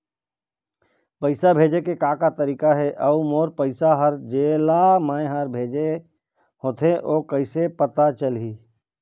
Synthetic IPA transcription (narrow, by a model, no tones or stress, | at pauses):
pəɪsabʱeːd͡ʒekekaːkat̪əɾiːkaɦɛʔɐumoːɾpəɪsaɦəɾd͡ʒeːlamãːẽɦaːɾbʱeːd͡ʒe | hoːt̪ʰeʔoːkəɪsepət̪at͡ʃəliː